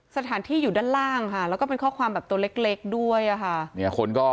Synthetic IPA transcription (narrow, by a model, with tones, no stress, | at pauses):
sa˧t̪ʰaː˩˦nt̪ʰiː˥˩juː˨˩daː˥˩nlaː˥˩ŋkʰa˥˩lɛː˦˥wkɔː˥˩pe˧nkʰɔː˥˩kʰwaː˧mbɛː˨˩p̚t̪u˧le˦˥k̚le˦˥k̚du˥˩əjʔa˨˩kʰa˥˩ni˦˥˩kʰo˧nkɔː˥˩